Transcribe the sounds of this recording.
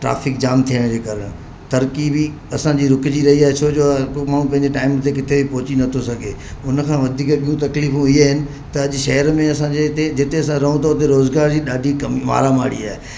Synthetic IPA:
ʈɾa̰ːfɪk̚d͡ʑaːmt̪ʰijəɽ̃d͡ʑeːkɐɾəɽ̃ | t̪ɐɾkibi | ɐsãd͡ʑiːɾʊkɪd͡ʑiɾɐɦiaːɦet͡ɕʰoːd͡ʑomaːɽ̃ũpɐ̃ɦɪ̃ɲd͡ʑeʈaːɪmt̪ʰekɪt̪ʰebʱipɔɦʊt͡ɕinɐt̪ʰosɐɡʱeː | ʊnkʰãːʋɐd̪ʱiːkɓiũt̪ɐkliːfũɪɦeɦɪnɪ̆ | t̪ɐɐʄʊʃɐɦəɾmẽɐsãd͡ʑet̪ed͡ʑɪt̪eɐsãɾɐɦũt̪ʰoʊt̪̬eɾoːzɡaːɾd͡ʑiɗaːɖʱikɐmima̰ːɾamaːɽḭa̰ːɦe

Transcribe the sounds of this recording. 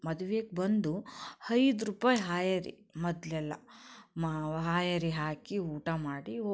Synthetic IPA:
mɐd̪uʋeːk̚bɐnd̪uhɐjd̪ɾupaːjɦaːjɐɾḭ | mɔd̪lɛlːɐ̰mɦaːjɐɾiɦaːkiuːʈamaːɽio

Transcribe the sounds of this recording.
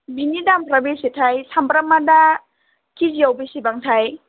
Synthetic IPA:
bʱinidampɾabisitʰajsʰampɾamada | kʰiziawbisibaŋtʰaj

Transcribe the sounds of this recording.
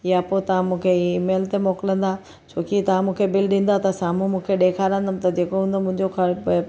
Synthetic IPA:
ɪjapoːt̪ɐʋ̤ãmũːkʰeiːmeːlt̪emoːkɪlə̃nd̪aː | t͡ɕʰoːkit̪ɐʋ̤ãmũːkʰebɪlɗĩːn̆d̪at̪ɐsaːmũmũːkʰeɗeːkʰaːɾə̃nd̪əm̆t̪ɐd͡ʑeːkoɦũnd̪omʊ̃ɦɪ̃ɲd͡ʑoxɐɾ

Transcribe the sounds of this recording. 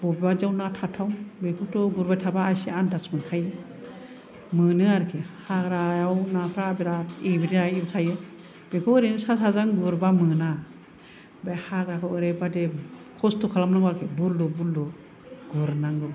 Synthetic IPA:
bɔbibad͡ʒawnatʰatʰawbekʰuwtʰɔɡuɾbajtʰabaːjsiantʰasmɯnkʰajɯ | mɯnɯaɾkʰehakɾajawnapʰɾabeɾaebiɾiaibtʰajɯ | b̥ekʰɔweɾensasazaŋɡuɾbamɯna | bahak̚ɾakʰawɯɾajbadekʰɔstʰɔkʰalamnaŋbaɾkʰebuldɔbuldɔ | ɡuɾnaŋɡɯɾ

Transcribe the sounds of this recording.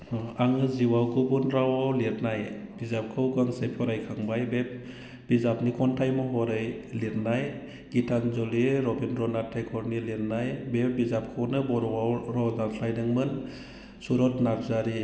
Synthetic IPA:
aŋɯziwawɡubunɾawawletnajb̥izap̚kʰɯwɡɯŋsepʰɔɾajkʰaŋbajbep̚ | b̥izapnikʰɔntʰajmɔɦɔɾɯjletnaj | ɡ̥itʰanzɔliɾɔbinɾɔnatʰajkʰɔɾniletnajbep̚bizap̚kʰɯwnɯbɔɾɔwawɾɔdaɾʰlajdɯŋmɯn | suɾɔtnap̚ʰzaɾi

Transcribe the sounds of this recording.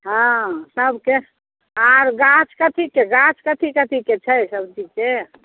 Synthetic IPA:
ɦãsəbke | aɾɡat͡ʃʰkət̪ʰikeɡãt͡ʃkət̪ʰikət̪ʰiket͡ʃʰəsəbt͡ʃid͡ʒke

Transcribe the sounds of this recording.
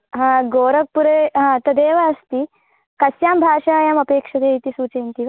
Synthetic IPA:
ɦãːɡoːɾɐk̚puɾeɦãːt̪ɐd̪eːʋɐːst̪i | kɐsjaːmbʱaːʃaːjamɐpeːkʂɐd̪eːit̪isuːt͡ʃeːnt̪iʋɐ

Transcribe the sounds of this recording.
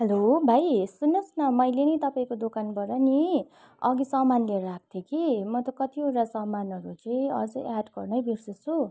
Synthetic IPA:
helobʱajsunːʌsnʌmʌjlenʌjt̪ʌpaĩkod̪okanbʌɾʌni | ʌ̰ɡisʌmanleɾak̚ʰt̪ʰjekimʌt̪ʌkʌt̪ioɾasʌmanʌɾut͡sʌĩʌ̰d͡zʌaɖɡʌrnʌjbirsʌt͡sʰu

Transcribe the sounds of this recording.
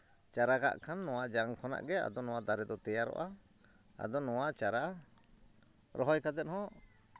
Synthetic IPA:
t͡ʃaɾaka̰ʔkʰanːɔwaʔd͡ʒaŋkʰɔna̰ʔɡɛa̰d̪ɔnɔwad̪aɾɛd̪ɔt̪ɛjaɾɔ̰ʔa | a̰d̪ɔnɔwaʔt͡ʃaɾa | ɾʔɔɦɔjkat̪ɛt̪hɔ̃

